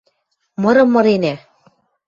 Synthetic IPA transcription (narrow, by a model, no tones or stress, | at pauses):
mɤ̆ɾɤ̆mːɤ̆ɾenæ